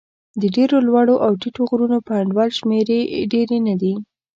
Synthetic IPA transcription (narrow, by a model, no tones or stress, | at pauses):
d̪əɖeɾolwaɽoʔawʈiʈoɣɾunopaɳɖwɑlʃmeɾeɖeɾenad̪i